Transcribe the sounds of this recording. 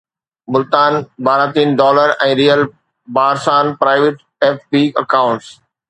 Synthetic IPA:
mʊlt̪aːnbaːɾat̪iːnɖɔːləɾɛ̃ːɾijəl | baːɾsaːnpɾaːɪʋɪʈ | eːfpiːɐ̰kãʊ̃ɳʈs

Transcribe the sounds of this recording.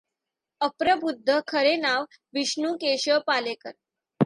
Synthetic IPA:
əpɾəbud̪ʱːəkʰəɾenaʋ | ʋiɕɳuːkeɕəpalekəɾ

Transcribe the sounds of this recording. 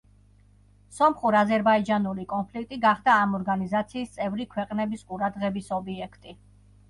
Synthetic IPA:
sɔmχuɾazɛɾbaid͡ʒanulikʼɔnpʰlikʰt̪ʼiɡaχd̪aːmɔɾɡanizat̪sʰiːst̪sʼɛvɾikʰwɛqʼnɛbisqʼuɾad̪ʁɛbisɔbiɛkʰt̪ʼi

